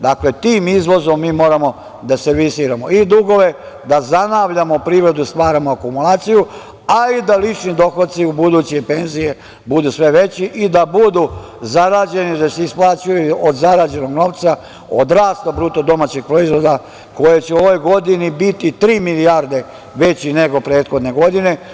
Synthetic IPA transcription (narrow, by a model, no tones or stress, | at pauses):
d̪akle̞t̪iːmizʋo̞zo̞mːiːmo̞ːɾamo̞ | d̪aseɾʋisiːɾamo̞id̪uɡo̞ʋe̞ | d̪azanaːʋʎamo̞pɾiːʋɾe̞d̪ust̪ʋaːɾamoakumulaːt̪siju | aid̪alit͡ʃnid̪o̞xot̪t̪siubud̪uːt͡ɕiepe̞nzije̞ | bud̪usʋe̞ʋe̞t͡ɕiʔid̪abud̪u | zaɾaːd͡ʑe̞nid̪aseisplˠaːt͡ʃujuod̪zaɾaːd͡ʑe̞no̞ɡno̞ːʋt̪sa | o̰d̪ɾaːst̪abɾut̪od̪o̞maːt͡ɕeɡ̚pɾoizʋo̞d̪a | ko̞jet͡ɕeuo̞ʋojɡo̞d̪inibit̪it̪ɾiːmilijaɾd̪e̞ | ʋe̞t͡ɕine̞ɡo̞pɾe̞ːt̪xo̞d̪ne̞ɡo̞d̪ine̞